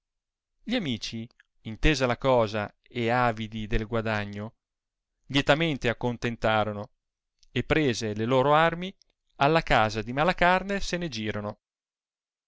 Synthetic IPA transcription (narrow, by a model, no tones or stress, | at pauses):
ʎiamiːt͡ʃi | int̪eːzalakɔːza | eaːvid̪id̪elɡwad̪aɲːo | ʎet̪ament̪eakːont̪ent̪aːɾono | epːɾeːzeleloːɾoarmi | alːakaːzad̪imalakarnesened͡ʒiːɾono